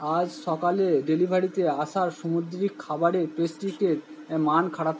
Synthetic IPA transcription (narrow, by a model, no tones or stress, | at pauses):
ad͡ʑʃɔkaleɖelibʱaɽit̪eaʃaɾʃomuɾd̪ɾikʰːabaɾepɾesʈiʈeɾ | mankʰaɽat̪